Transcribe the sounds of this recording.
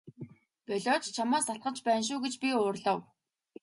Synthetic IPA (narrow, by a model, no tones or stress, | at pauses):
pœɮʲɔːt͡ɕt͡ɕʰamaːsat̪̚ɢə̆t͡ɕpæːnʃ̬ʊːɡet͡ɕpʲiʊːrɮɔ̆w